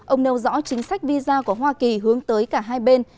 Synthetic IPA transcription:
ʔə˧wŋ͡mne˧wzɔ̰˧˥t͡ɕï˨˦ŋ̟sa˦˥jk̟̚vi˧zaː˧ku˧˩əɦwaː˧ki˨˩ɦɨ˨˦əŋt̪əː˨˦jkaː˧˩ɦaː˧jɓe˧n

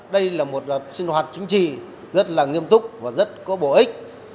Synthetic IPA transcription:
ɗə˧jlaː˨˩mo˨˩t̚ːsi˧nhwaː˨˩t̚t͡ɕï˨˦ŋ̟t͡ɕḭ˧˨ | zə˦˥t̚laː˨˩ŋi˧əmt̪ʊ˦˥k͡p̚vaː˨˩zə˦˥t̚kɔ˨˦ɓo̰˧˩ʔï˦˥k̚

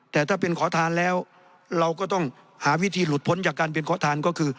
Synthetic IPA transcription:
t̪ɛː˨˩t̪ʰaː˥˩p̬e˧nkʰɔː˩˦t̪ʰaː˧nlɛː˦˥w | ɾa˧wkɔː˥˩t̪ɔ˥˩ŋ | haː˩˦wi˦˥t̪ʰiː˧lu˨˩t̪̚pʰo˨˦nt͡ɕaː˨˩kːaː˧np̬e˧nkʰɔː˩˦˥t̪ʰaː˧nkɔː˥˩kʰɯː˧

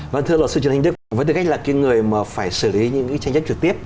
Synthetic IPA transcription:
və˧˩nt̪ʰɨ˧əlɔ˨˩sɨ˧t͡ɕnhŋ̟ɗɨ˦˥k̚vəː˨˦jt̪ɨ˨˩ka˦˥laː˨˩kaː˨˦ŋɨ˨˩əjmaː˨˩faː˧˩jsɨ˧˩li˨˦ɲɨ̰˧˥ŋki˨˦jt͡ɕa˧ŋ̟zə˦˥t͡ɕɨ˨˩k̚t̪i˦˥əp̚

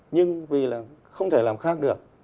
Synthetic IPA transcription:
ɲɨ˧ŋvi˨˩laː˨˩xə˧wŋ͡mt̪ʰeː˧˩laː˨˩mxaː˦˥k̚ɗɨ˨˩ək̚

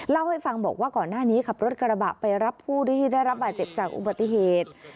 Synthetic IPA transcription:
la˥˩wha˥˩jfa˧ŋbɔː˨˩k̚waː˥˩kɔː˨˩nːaː˥˩niː˦˥kʰa˨˩p̚ɾo˦˥t̪̚ka˧ɾa˧ba̰˨˩ʔpa˧jɾa˦˥pʰːuː˥˩du˦˥˩t̪ʰiː˥˩da˥˩jɾa˦˥p̚baː˨˩t̪̚t͡ɕe˨˩p̚t͡ɕaː˨˩k̚ʔṵ˨˩ba˨˩t̪ːi˨˩ɦeː˨˩t̪̚

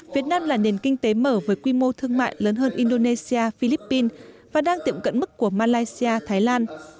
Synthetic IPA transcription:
vi˨˦ət̚naː˧mlaː˨˩ne˨˩nkï˧ŋ̟t̪e˨˦məː˧˩vəː˨˦jkwi˧mo˧t̪ʰɨ˧əŋma̰ː˧˨jləː˨˦nɦəː˧nʔi˧nɗo˧ne˧si˧aː˧fi˧li˦˥pːi˧nvaː˨˩ɗaː˧ŋt̪ḭ˧˨əmkə̰˧˨nmɨ˦˥kːu˧˩əmaː˧laː˧jsi˧aː˧t̪ʰaː˨˦jlaː˧n

